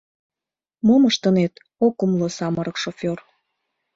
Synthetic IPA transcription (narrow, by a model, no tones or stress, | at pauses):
moməʃt̪ənet̪ | okumlosɑməɾɤkʃofʲor